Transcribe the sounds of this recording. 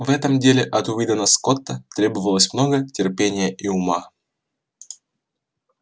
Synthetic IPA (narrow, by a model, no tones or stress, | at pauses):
vɛt̪əmdʲelʲɪʔɐt̪ʊvʲid̪ənəsko̞t̪ːət̪ɾʲe̞bəvəlˠəsʲmno̞ɡətʲɪrpʲenʲɪjəʔiʊma